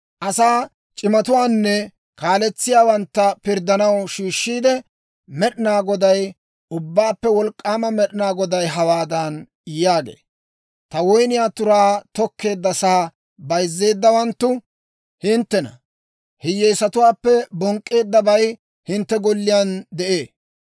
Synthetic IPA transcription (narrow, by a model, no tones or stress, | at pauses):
ʔɐsaː | t͡ʃʼɪmɐt̪ʊwaːnːɛ | kaːlɛt͡sːɪjaːwɐnt̪ːɐpɪɾd̪ːɐnɐwʃiːʃːiːd̪ɛ | mɛɗɪnaːɡɔd̪ɐj | ʊbːaːpːɛwɔlkʼːaːmɐmɛɗɪnaːɡɔd̪ɐjɦɐwaːd̪ɐn | jaːɡḛː | t̪ɐwɔjnɪjaːt̪ʊɾaːt̪ɔkːe̞ːd̪ːɐsaː | bɐjzːe̞ːd̪ːɐwɐnt̪ːʊ | hɪnt̪ːɛnɐ̰ | hɪjːɛjsɐt̪ʊwaːpːɛbɔŋkʼːe̞ːd̪ːɐbɐj | hɪnt̪ːɛɡɔlːɪjaːnd̪ɛʔe̞ː